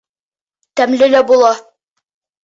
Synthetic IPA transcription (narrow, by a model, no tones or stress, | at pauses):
t̪æmlɘlæbulˠɑ